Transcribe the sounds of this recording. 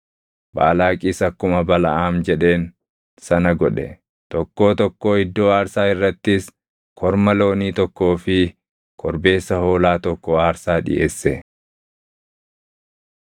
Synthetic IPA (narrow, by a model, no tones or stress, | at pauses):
ba̰ːlaːkʼiːsɐkːʊmɐbɐlɐ̰ʔaːmd͡ʒɛᶑe̞ːn | sɐnɐɡɔᶑɛ | t̪ɔkːo̞ːt̪ɔkːo̞ːɪd̪ːo̞ːaːɾsaːɪrːɐt̪ːɪs | kʰɔɾmɐlo̞ːniːt̪ɔkːo̞ːfɪ | kʰɔɾbe̞ːsːɐho̞ːlaːt̪ɔkːɔaːɾsaːᶑɪ̰ʔeːsːɛ